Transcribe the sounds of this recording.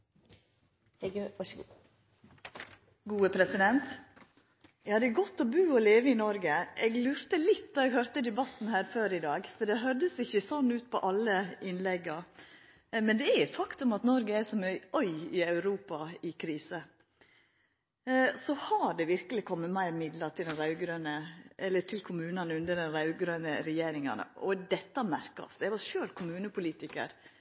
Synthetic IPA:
ɡuːəpʰɾɛsɪd̪ɛnt̪ | jɛhɑd̪əɡɔt̪ːɔbʉːɔleːʋəɪnɔɾɡəʔɛɡlʉːɾt̪əlɪt̪ːd̪ɑɛɡhœɾt̪əd̪ɛbɑt̪n̩hæːɾføːɾɪd̪ɑːɡfɔɖɛɦœd̪əsɪçːəsɔnːʉːt̪pʰɔ̰ʔɑlːəɪnlɛɡːɑ | mɛnd̪ɛæfɑkt̪ʉmɑt̪nɔɾɡəɛʂɔmœœʏɪɑʉɾuːpɑɪkʰɾiːsə | sɔhɑɖɛʋɪɾkəlɪkʰɔmːəmæɪɾmɪd̪lɑt̪ʰɪld̪ɛnɾɑʉɡɾœnəʔɛlːət̪ʰɪlkʰʊmʉːnɑnəʉnd̪əɖɛnɾɑʉɡɾœːnəɾɛjeːɾɪŋɑ̰nə̰ʔɔd̪ɛt̪ːɑmæɾkɑ̰sd̪ɛʋɑɾʂøːlkʰʊmʉːnəpʰʊliːt̪ɪkə̰ɾ

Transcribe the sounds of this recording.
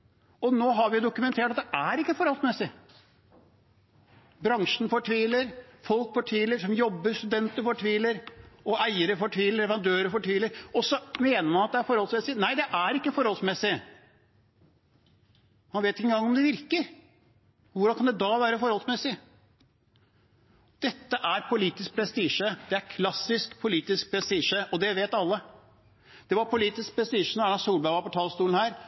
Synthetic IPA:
ɔnoːɦɑɾʋɪd̪ʊkʉmɛnt̪ʰeːʈɑt̪̚d̪ɛʔæɾɪkːəfɔɾhɔlsmɛsːɪ | bɾɑŋʂnfɔʈʰʋiːləɾfɔlkfɔʈʰʋiːləɾʂɔmjɔbːəst̪ʉd̪ɛnt̪əɾfɔʈʰʋiːləɾɔæɪəɾəfɔʈʰʋiːləɾɛʋɑnd̪øːɾəfɔʈʰʋiːləɾɔsːɔmeːnəɾmɑnɑt̪̚d̪ɛæɾfɔɾhɔlsmɛsɪnæɪd̪ɛʔæɾɪkːəfɔɾɔlsmɛsːɪ | mɑnʋeːt̪ɪŋəɡɑŋːɔmd̪ɛʋɪɾkəɾ | ʋʊɾɑnkʰɑnd̪ɛd̪ɑʋæːɾəfɔɾɔlsmɛsːɪ | d̪̥ɛt̪ːəʔæɾpʰʊliːt̪ɪsk̚pʰɾɛst̪iːʂəd̪ɛæɾkʰlɑsːɪskpʰʊliːt̪ɪsk̚pʰɾɛst̪iːʂəʔɔd̪ɛʋeːt̪ɑlːə | d̪̥ɛʋɑɾpʰʊliːt̪ɪsk̚pʰɾɛst̪iːʂənɔɾɑnɑsuːlbæʋɑɾpɔt̪ʰɑːlst̪uːln̩hæːɾ

